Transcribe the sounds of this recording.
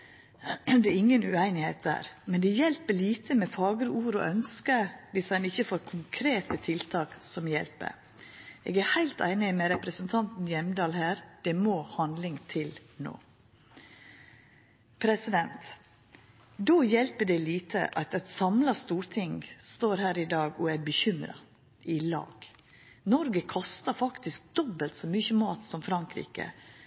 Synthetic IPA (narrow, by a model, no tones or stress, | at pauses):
d̪ɛɾɪŋːənʉæɪnɪheɪt̪̚d̪æ̰ːɾmɛnd̪ɛjɛlpəɭiːt̪ʰəmɛfɑːɡəɾuːɾɔ̰ʔœnskəʋɪsɑnɪçːəfoːɾkʰʊŋkʰɾeːt̪ət̪ʰɪlt̪ʰɑːksɔmjɛlpə̰ɾ | ʔḛːɡæɾhæɪlt̪æ̰ɪnɪmɛɾɛpɾəsənt̪ʰɑnt̪n̩jɛmd̪ɑːlhæːɾd̪̥ɛmoːhɑnd̪lɪŋt̪ʰɪlno̰ː | pʰɾɛsɪd̪ɛnt̪ | d̪oːjɛlpəɖɛliːt̪ʰə̰ʔɑt̪ɛt̪sɑmlɑst̪uːɾt̪ʰɪŋst̪oːɾhæːɾɪd̪ɑːɡɔæbəçʏmɾɑ̰ | ʔɪlɑ̰ːɡ̥ | nɔɾɡəkʰɔst̪ɑɾfɑkt̪ɪsk̚d̪ɔbəlt̪sɔmʏçəmɑːt̪sɔmfɾɑŋkɾḭːkə̰